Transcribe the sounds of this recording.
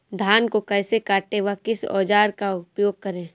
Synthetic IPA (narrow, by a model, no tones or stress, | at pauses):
d̪ʱaːnkokɛːsekaːʈeʋakɪsɔ̰ːd͡ʒaːɾkaʊpjoːɡ̚kɐɾẽː